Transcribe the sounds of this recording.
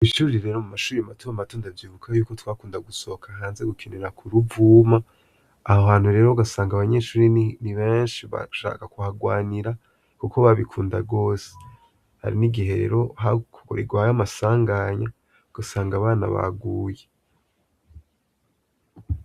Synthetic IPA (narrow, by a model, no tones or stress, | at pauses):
iʃuːɾiɾe̞ːɾomumaʃuːɾimatumamatoːndavjiːvukʰajuːkotwaːkuːndaɡuso̞kʰaɦaːnzeɡukʰeneɾakʰuɾuvuːmaː | hohaːn̥huɾe̞ːɾo̞aɡasaːŋɡaβaɲe̞ːʃuːɾiniβeːnʃiβa̰ʃa̰ːkakuhaɡwaːniɾa | kukoβaβikʰuːndaɡo̞ːse̥ | ha̰ɾiniɡihe̞ɾḛɾo̞hakoko̰ɾiɡwajamasaːŋɡaɲa | ɡ̥asaːŋɡaβaːna̰βa̰ɡuːje